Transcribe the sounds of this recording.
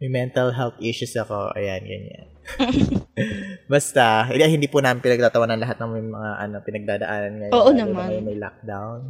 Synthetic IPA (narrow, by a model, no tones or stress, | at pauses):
mɐjmɛnt̪ɐlɦɛlt̪ʔiʃʊsɐko̞ʔɐ̰janɡɐ̰ɲa̰n | bɐst̪ɐɪɐhɪnd̪iːpunaːmɪnpɪnɐɡ̚t̪aːt̪ɐwanɐnlɐɦat̪̚nɐmjʊŋmɐŋaʔɐno̞pɪnɐɡ̚d̪aːd̪ɐʔaːnɐnŋɐjoːʔonɐmmmɐɐjʊŋmɐjla̰k̚d̪awn